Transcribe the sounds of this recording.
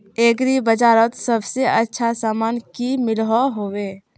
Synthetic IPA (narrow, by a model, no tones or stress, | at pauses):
eːɡɾibəd͡ʒaːɾət̪səbseʔətːʃʰasaːmaːnkimɪlɦɔɦoweː